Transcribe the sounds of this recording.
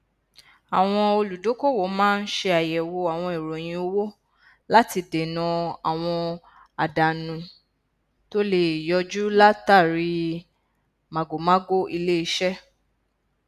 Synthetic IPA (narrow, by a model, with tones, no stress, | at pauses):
a˨w̃ɔ̃˧o˧lu˨do˨˦ko˦˨wo˨˦mãː˦n̩˦ʃe˧a˨jɛ˨wo˧a˨w̃ɔ̃˧i˨ɾo˨j̃ĩ˧o˧wo˦ | la˦ti˧de˨nã˧a˨w̃ɔ̃˧ | a˨da˨nũ˨˧ | to˦le˨i˨jɔ˧˦d͡ʒu˦la˦ta˦˨ɾi˧ | mã˨ɡo˨mã˦ɡo˦i˧le˦i˧ʃɛ˦